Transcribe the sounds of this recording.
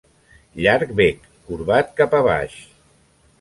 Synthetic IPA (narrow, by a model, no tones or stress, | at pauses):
ʎaɾk̚bekːuɾβat̪kapaβa̰ʃ